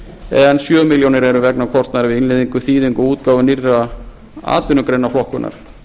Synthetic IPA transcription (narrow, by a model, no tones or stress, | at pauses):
ɛnsjœːmɪljownɪɾɛɾʏvɛknakʰɔr̥st̪naðɾɪvɪinleðiŋkʏθiːðiŋkʏuːt̪̚kaːwvʏnira | a̰ːt̪ʏnʏkɾejnaflɔhkʏnʔa̰ɾ̥